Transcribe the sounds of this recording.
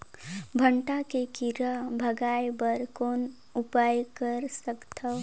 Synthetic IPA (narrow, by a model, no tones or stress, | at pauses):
bʱə̃ɳʈakekiɾabʱəɡaːjbəɾkoːn | ʊpaːjkəɾsəkt̪ʰa